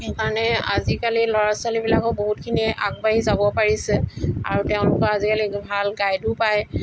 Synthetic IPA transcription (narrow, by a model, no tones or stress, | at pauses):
xekaɹɔnɛa̰zikalilɔɹasalibilakɔboɦutkʰiniʔa̰k̚baɦizabɔpaɹisɛa̰ɹutɛʊ̃lʊkɔazikalibʱalɡajdupaj